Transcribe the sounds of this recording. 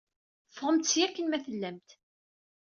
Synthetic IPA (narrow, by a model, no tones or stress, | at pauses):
fəʁəmt̪sijækːənmæθəlːæmt̪